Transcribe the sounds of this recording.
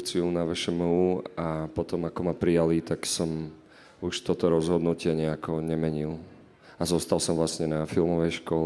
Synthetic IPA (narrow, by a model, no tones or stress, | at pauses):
t͡siunaʋɛʃɛmuapɔt̪ɔmakɔmapɾijalit̪aksɔm | uʃt̪ɔt̪ɔɾɔzɦɔd̪nucɪɛɲɛakɔɲɛmɛɲil | azɔst̪alsɔmvlasɲɛnafilˠmɔʋɛjʃkɔl